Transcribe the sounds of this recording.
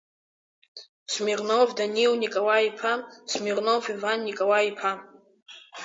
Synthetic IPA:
smirnovdaniwnikʼawaipʰamsmirnowvivanːikʼawaipʰam

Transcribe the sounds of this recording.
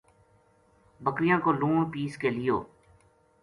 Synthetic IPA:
bəkɾɪjãːkoːluːɳpiːskeːlɪjo̰ː

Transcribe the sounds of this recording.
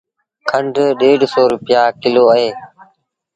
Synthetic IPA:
kʰəɳɖʱɗeːɖsɔːɾʊpɪjaːkɪloːəɦeː

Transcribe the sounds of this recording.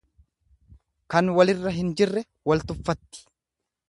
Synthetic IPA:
kɐnwɐlɪrːɐɦɪnd͡ʒɪrːɛ | wɐlt̪ʊfːɐt̪ːɪ̥

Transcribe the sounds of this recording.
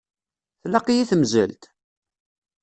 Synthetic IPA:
θlɑqijiθəmzə̰lt̪

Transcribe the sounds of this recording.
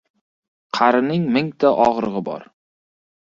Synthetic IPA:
qʰɑɾɪnɪŋmɪŋt̪ʰaʔɒʁɾɨʁɨbɒ̰ɾ

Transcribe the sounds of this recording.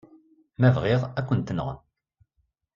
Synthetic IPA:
mævʁɪʁækʷːənt̪ːənʁə̰n

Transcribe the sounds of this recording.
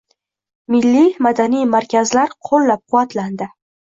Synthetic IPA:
mɪlːimad̪anijmaɾkʲʰazlaɾqʰolˠːap̚qʰʊvːat̪land̪ɪ

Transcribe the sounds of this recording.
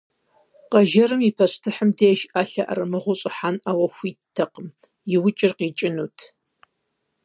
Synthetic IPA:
qɐʒɐɾɨmipʰɐɕʼtʰɨħəmdeːʃaːɬɐʔɐ̰rɨmɨʁʷʊɕʼɪħanaːwɐxʷiːtʰːɐqəm | jɪwʊt͡ʃʼɪrqiːt͡ʃʼɪnuːtʰ

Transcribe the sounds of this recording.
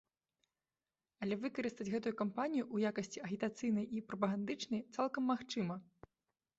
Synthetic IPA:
ɐlʲɛvɨkɐɾɨst̪ɐd͡zʲɣɛt̪ujukampanʲijuʔujakɐsʲt͡sʲiɐɣʲit̪at̪sɨjnɐjʔipɾɐp̬ɐɣand̪ɨt͡ʂnɐjt̪salˠkɐmːaxt͡ʂɨmɐ

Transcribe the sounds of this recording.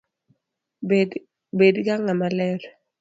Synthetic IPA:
bedkaŋamalɛɾ

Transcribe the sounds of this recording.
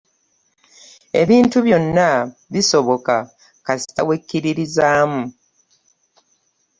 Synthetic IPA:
e̞βiːntuβjo̞nːaβiso̞βo̞ka | kasi̥ta̰we̞kːiɾiɾizaːmu

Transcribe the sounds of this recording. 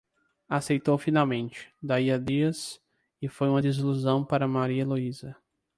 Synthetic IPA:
asejt̪owfinawmẽnt͡ʃɪ̥d̪aiɐd̪iɐs | ɪfojũmɐd̪izluzɐ̃w̃paɾɐmaɾiɐloizɐ

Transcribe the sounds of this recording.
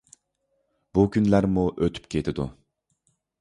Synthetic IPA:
b̥ukʲʰynlæɾmuʔøt̪ʰy̥p̚kʲʰet̪ʰɪd̪ṵ

